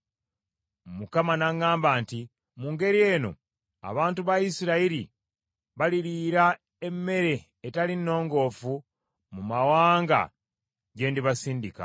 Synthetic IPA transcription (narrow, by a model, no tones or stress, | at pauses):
mukamanaŋːaːmbaːnti | muːŋɡe̞ɾie̞ːno̞̰ | a̰βaːntuβajisiɾaiɾi | βaliliːɾa | e̞mːe̞ɾe̞ː | talinːo̞ːŋɡo̞ːfu | mumawaːŋɡa̰ | ɟe̞ːndiβasiːndika̰